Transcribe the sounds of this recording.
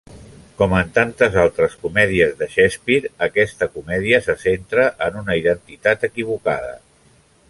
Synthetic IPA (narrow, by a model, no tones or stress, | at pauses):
kɔmənt̪ant̪əzalˠt̪ɾəskumɛðiəzðəʃɛspiɾəkɛst̪əkumɛðiəsəsent̪ɾəʔənunəiðənt̪it̪at̪əkiβ̞uka̰ðə̰